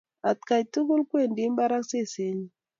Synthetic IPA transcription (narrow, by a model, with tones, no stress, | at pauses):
a˨t̪ka˨jtu˦ku˦lkwe˦˨ndi˨˦mba˦ɾa˦kse˦˨se˨˦ɲi˦